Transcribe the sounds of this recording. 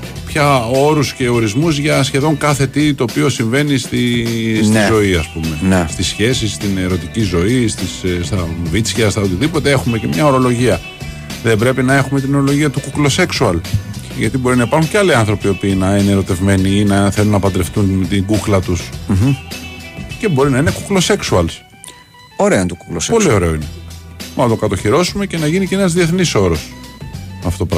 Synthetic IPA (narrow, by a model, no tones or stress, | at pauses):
pçɐo̞ɾusce̞o̞ɾizmuzʝɐsçe̞ðo̞ŋkɐθe̞t̪it̪o̞ːpio̞siɱve̞nist̪isnizo̞iɐspume̞nst̪isçe̞sist̪ineɾo̞t̪icizo̞ist̪isst̪ɐvit̪t͡sçɐst̪ɐot̪iðipo̞t̪e̞e̞xume̞ce̞mɲɐo̞ɾo̞lo̞ʝiɐ | ðe̞mbɾe̞pinɐe̞xume̞t̪ino̞ɾo̞lo̞ʝiɐt̪ukuklo̞se̞ksuɐl | ʝɐt̪ibo̞ɾinɐipɐɾxuɲcealiɐnθɾo̞piopiːnɐineːɾo̞t̪e̞vme̞niinɐθe̞lunːɐpɐnd̪ɾe̞ft̪unt̪iŋɡuklɐt̪us | ce̞bo̞ɾinɐine̞kuklo̞se̞ksuɐls | oɾeont̪uku̥klospo̞lio̞ɾe̞o̞inemnɐt̪o̞kɐt̪o̞çiɾo̞sume̞ce̞nɐʝiniceenɐzðie̞θniso̞ɾo̞smɐft̪opɾ